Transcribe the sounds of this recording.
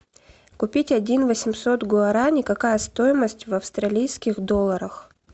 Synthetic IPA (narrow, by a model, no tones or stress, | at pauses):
kʊpʲitʲɐdʲinvəsʲɪmso̞t̪ɡʊɐɾanʲɪkɐkajəst̪o̞jɪməsʲtʲvɐfst̪ɾɐlʲijskʲɪxd̪olˠːəɾəx